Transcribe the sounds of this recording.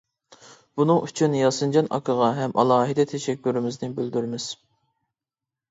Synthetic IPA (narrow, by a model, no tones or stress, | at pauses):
b̥unɨŋyt͡ʃʰynjɑsɨnd͡ʒɑnɑ̰kʰəʁɑɦɛmʔɑlˠɑːɦid̪ɛt̪ʰɛʃɛkʲːyɾɪmɪznɪbøld̪yɾmɪz̥